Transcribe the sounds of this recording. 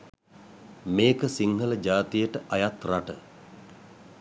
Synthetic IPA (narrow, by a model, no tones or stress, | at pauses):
meːkəsiŋhələd͡ʒaːt̪ijəʈəʔajat̪raʈə